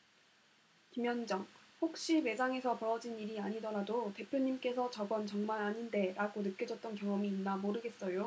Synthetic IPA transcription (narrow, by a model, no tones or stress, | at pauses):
kimjʌnd͡ʑʌŋɸok̚ɕ͈ime̞saŋe̞sʰʌpʌɾʌd͡ʑiniɾiaɲidʌɾadote̞pʰjoɲimk͈e̞sʰʌt͡ɕʌɡʌnt͡ɕʌŋmaɾaɲinde̞ɾaɡonɯk͈jʌd͡ʑʌt̚t͈ʌnkjʌŋʌmiːnːamoɾɯɡe̞s͈ʌjo